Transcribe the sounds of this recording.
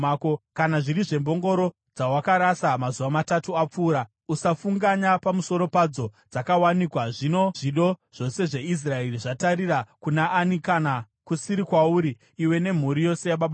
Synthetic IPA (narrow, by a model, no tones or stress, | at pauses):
kokanaʐiriʐe̞mbo̞ŋɡo̞ɾo̞ | d͡zawakaɾasamazuʋamatatuap͡fuːɾa | usafuŋɡaɲapamuso̞ɾo̞pad͡zo̞d͡zakawanikwaʐino̞ʐiɗo̞ʐ̥o̞se̞ʐe̞is̬raeriʐataɾiɾakunaʔːnikana | kusiɾikwauɾiː | we̞ne̞m̤uɾijo̞se̞jaɓaɓa